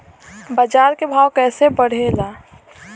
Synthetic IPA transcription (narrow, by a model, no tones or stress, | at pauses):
bəd͡ʒaːɾkebʱaːwkɛːsebəɽ̤elaː